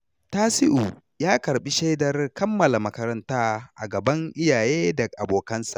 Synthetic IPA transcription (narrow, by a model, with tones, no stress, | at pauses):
taː˦sɪ˦ʔu˨ | jaː˦kɐ˨ɾɓi˦ʃa˦jdɐ˨rkɐ˦mːɐ˨la˨mɐ˦kɐ˦ɾɐ˦ntaː˦ʔa̰˨ɡɐ˨bɐ˦ŋʔɪ˦jaː˨jeː˦dɐ˨kʔa˨boː˨kɐ˦nsa̰˨ʔ